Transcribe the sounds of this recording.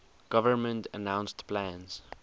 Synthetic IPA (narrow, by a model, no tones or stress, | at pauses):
ɡ̥ʌvə˞mə̃ntənãʊ̃nstpʰlæ̃nz̥